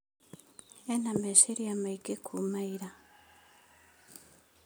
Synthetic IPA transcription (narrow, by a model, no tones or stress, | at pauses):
enameʃeɾiamaiɡekʰumaiɾa